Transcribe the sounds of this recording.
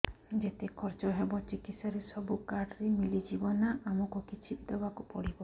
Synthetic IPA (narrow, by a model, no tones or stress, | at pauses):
d͡ʒet̪ekʰɔɾt͡ʃɔɦebɔt͡ʃikit̪saɾesɔbukaɖɾemilid͡ʒibɔnaʔamɔkɔkit͡ʃʰibd̪ɔbakupɔ̰ɽibɔ